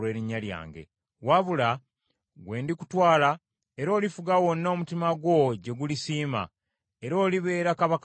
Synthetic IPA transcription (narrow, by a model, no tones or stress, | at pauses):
e̞ɾiɲːalja̰ːŋɡe̞̰ | waβula | ɡwe̞ːndiku̥twaːla | e̞ɾo̞ːlifuɡawo̞nːo̞ːmutimaɡwo̞ɟe̞ɡulisiːma̰ | e̞ɾo̞ːliβe̞ːɾakaβak